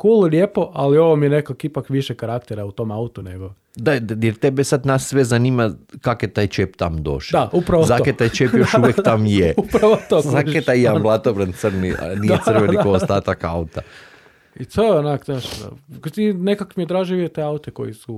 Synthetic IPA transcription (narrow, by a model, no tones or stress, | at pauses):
kuːllʲjepo̞ʔalio̞ʋomijenekakipakʋiʃekaɾakt̪eɾaut̪o̞ːmaut̪uneɡo̞ | d̪ajeɾt̪ebesad̪nasːʋezanimakakjet̪aːjt͡ʃept̪amd̪o̞̰ʃd̪aupɾaʋozaket̪aːjt͡ʃepjoʃuʋjekt̪amjeupɾaʋot̪ozakeaijamblˠat̪obɾant̪sɾnia̰nijet̪sərʋenioost̪at̪akaut̪a | isəonaknaʃd̪a̰kt̪inekakmijed̪ɾaːʒiʋiet̪eaut̪eko̞̰jisu